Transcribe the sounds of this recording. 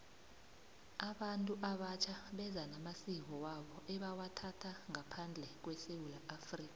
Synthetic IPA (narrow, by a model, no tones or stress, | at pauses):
aɓantʼuʔaɓat͡ʃʰaɓɛzanamasiŋɔwaɓɔʔɛɓawatʰatʰaŋapʰand͡ɮʱɛk̬wɛsewulaʔafriːk̬ʼa